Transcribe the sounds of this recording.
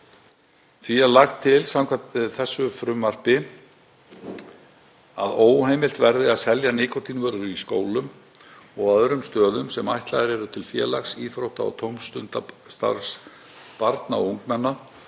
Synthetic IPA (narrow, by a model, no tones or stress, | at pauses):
θviaðlaxt̪ʰːɪlsawŋkʰvat̪ɪθɛsːʏfɾʏmvar̥pɪ | aðoːwɦejmɪlt̪vɛɾðɪaðsɛljanɪːkot̪ʰinvœɾðʏiskoːwlʏm | ɔɣœðɾʏmst̪œːðʏmsɛmajht̪la̰ðɪɾɛɾʏt̪ʰɪlfjɛ̰ːlaxsiːθɾowht̪aa̰wt̪ʰowmst̪ʏnt̪a | st̪a̰ɾs | paɾt̪naɔuŋkmɛnːa